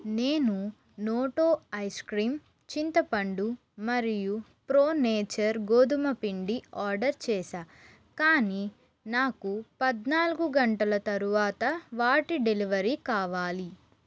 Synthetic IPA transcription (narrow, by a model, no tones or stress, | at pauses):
neːnu | noːʈoːɐjskɾiːm | t͡ʃint̪ɐpɐɳɖu | mɐɾijupɾoːneːt͡ʃɐɾɡoːd̪umɐpiɳɖiaːɾɖɐɾt͡ʃɛːʃaː | kaːni | naːkupɐd̪naːluɡuɡɐɳʈɐlɐt̪ɐɾuʋaːt̪ɐʋaːʈiɖeliʋɐɾikaːʋaːli